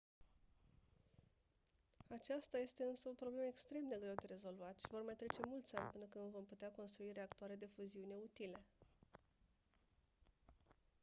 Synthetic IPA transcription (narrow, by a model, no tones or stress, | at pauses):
at͡ʃast̪aje̞st̪e̞ɨnsəo̞pɾo̞ble̞məekst̪ɾe̞md̪e̞ɡɾe̞wd̪e̞ɾe̞zo̞lvat̪ʃivo̞rmajt̪ɾe̞t͡ʃe̞mult̪sʲanʲpɨnəkɨnd̪vo̞mput̪eako̞nst̪ɾuiɾe̞akt̪uaɾe̞d̪e̞fuziune̞ut̪ile̞